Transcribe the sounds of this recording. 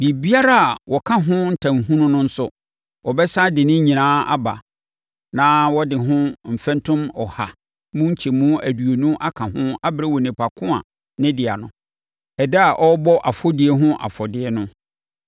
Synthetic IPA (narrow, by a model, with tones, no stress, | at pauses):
bi˨bi˦a˦ɾa˦a˨wɔ˨kʰã˦ɦʊ̃˦n̩˦tʰã˨ŋ˨ɦũ˦nʊ̃˦nʊ̃˦n̩˦sʊ̰˨ | ɔ˨bɛ˦sa˦dɪ˨nɪ̃˦ɲĩ˨nãː˦a̰˦ba̰˨ | nãː˦wɔ˦dɪ˨ɦʊ̃˦m̩˨fɛ̃˦ntʰʊ̃˦mɔ˨ha̰˨ | mũ˦ɲ̩˦t͡ɕʰe˨mũ˦æ˨du˨o˨nũ˦ʔa˦kʰã˨ɦʊ̃˦a˦bɾɛ˦wo˨nĩ˨pʰa˨kʰʊ̃˦a̰˨ | nɪ̃˦dɪ˨a˨nʊ̃˨ | ɛ˨dɛ˦a˨ʔɔ˦bɔ˦ʔa˨fɔ˦dɪ˨ɛ˦ɦʊ̃˦ʔa̰˨fɔ˨dɪ˨˦ɛ˦nʊ̃˦